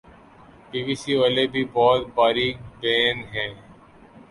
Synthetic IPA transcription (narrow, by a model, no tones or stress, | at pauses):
biːʋiːsiːʋaːlebʱiːbɔːt̪̚baːɾiːbɛːnɦɛ̃ː